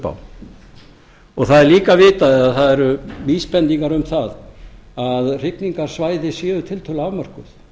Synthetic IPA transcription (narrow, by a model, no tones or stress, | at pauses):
pa̰w | ɔɣθaðɛɾliːkavɪːt̪aðɛðaθaðɛɾʏviːspɛnt̪iŋkaɾʏmθaðaðr̥ɪkniŋkaɾ̥svaːjðɪsjɛːðʏt̪ʰɪlt̪ʰœlavmar̥kʏθ